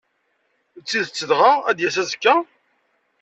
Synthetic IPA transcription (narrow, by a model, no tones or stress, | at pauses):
t͡sːiðt͡sːəðʁaæd̪jæsæzəkːæ